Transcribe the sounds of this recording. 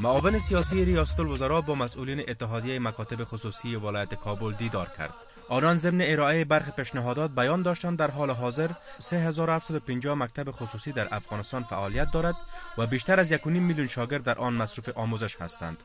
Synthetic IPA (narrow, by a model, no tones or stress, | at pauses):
maɔvɪnɪsijɔsijɪɾijɒsat̪ʊlwʊzaɾɔbɔmasulinɪʔɪt̪ːɪɦɔd̪ijajɪmakɔt̪ɪbɪxʊsusijɪwɪlɔjat̪ɪ̥kʰɔbʊld̪id̪ɒɾkʰa̰ɾd̪̥̚ | ɔnɔnzɪmnɪɪɾɔajebaɾxipeʃnɪɦɔd̪ɔt̪̚bajɔnd̪ɔʃt̪and̪aɾɦɔlɪɦɔzɪɾ | seɦazɔɾʊhaft̪sad̪ʊpɪɲd͡ʒɔmak̚t̪abɪxʊsusid̪aɾʔa̰fɣɔnɪst̪ɒnfaʔɔlijat̪̚d̪ɔɾad̪wabeʃt̪aɾazjakʊnimːiljunʃɔɡɪɾd̪ːaɾʔɔnmasɾufɪʔɒmozɪʃha̰st̪a̰nd̪